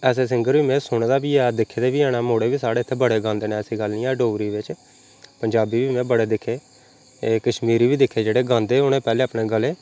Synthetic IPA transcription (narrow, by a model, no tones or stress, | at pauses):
ɛːs̬eːs̬ɪŋɡəɾʋiːmɛ̃ːsʊɳeːd̪aːbiːɛːd̪ɪkʰːeːd̪eːʋiːɛːɽaːmoːɽeːʋiːsaːɽeːt̪ʰːeːbəɽeːɡãːnd̪eːneɛːsiːɡəlnĩːɛːɖoːɾiːʋɪt͡ʃ | pəɲd͡ʒaːbiːʋiːmɛ̃ːbəɽeːd̪ɪkʰːeː | kəʃmiːɾiːʋiːd̪ɪkʰːeːd͡ʒeːɽeːɡãːnd̪eːʊnẽːpɛːleːapneːɡəleː